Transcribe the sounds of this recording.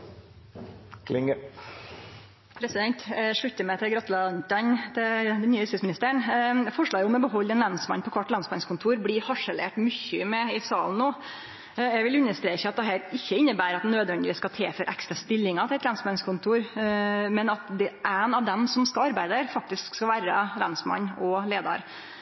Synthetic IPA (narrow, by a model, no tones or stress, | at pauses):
kʰlɪŋə | pʰɾɛsɪd̪ɛnt̪ʂɭʉt̪ːəmɛɪt̪ʰɪlɡɾɑt̪ːəlɑnt̪ɑnt̪ʰɪld̪ɛnːyːəɪst̪ɪsmɪnɪst̪əəɳfɔʂɭɑːɡəɔmɔbəɦɔlːɛnlɑnsmɑ̰npʰɔkʰʋɑʈːlɑnsmɑnskʰʊnt̪ʰuːɾblɪhɑʂəlḛːʈmʏçːʏmɛɪsɑːln̩ːoː | ɛɡʋɪlʉnːəst̪ɾeːçəɑt̪̚d̪ɛɦæːɾɪçːəɪnːəbæːɾɑt̪̚d̪ɛnøːd̪ʋɛnd̪ɪʋɪskɑt̪ʰeːføɾʔæ̰kst̪ɾɑst̪ɪlːɪŋɑt̪ʰɪlɛt̪lɑnsmɑnskʰʊnt̪ʰuːɾmɛnɑt̪d̪ɛʔæɪnɑʋd̪ɛmsɔmskɑlɑɾbæɪd̪əɾfɑk̚t̪ɪskskɑlʋæːɾəlɑnsmɑ̰ɲːɔleːd̪ɑ̰ɾ